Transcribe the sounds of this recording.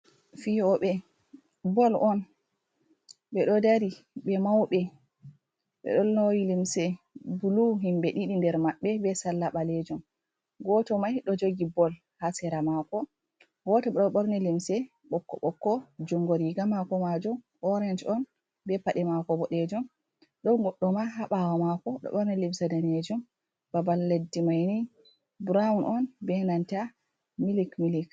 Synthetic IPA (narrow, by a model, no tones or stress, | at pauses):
fiɔɓɛ | bɔlɔn | ɓɛɗɔdaɾi | ɓɛmawɓɛ | ɓɛ̰ɗɔnːowilimsɛ | buluɦimbɛɗiɗindɛɾmaɓːɛbɛsalːaɓalɛd͡ʒɔm | ɡɔtɔmajɗɔd͡ʒoɡibɔl | hasɛɾamakɔ | wɔtɔɗɔɓɔɾnɛlimsɛ | ɓɔkːɔ̰ɓɔkːɔd͡ʒuŋɡoɾiɡamakɔmad͡ʒum | ɔɾɛnd͡ʒɔn | bɛpaɗɛmakɔbɔɗed͡ʒum | ɗɔwɡɔɗːɔmaɦaɓawamakɔɗɔ̰ɓɔɾnɛlimsɛdaned͡ʒum | babalːedːimajni | bɾawunʔɔnbɛnanta | milikmilik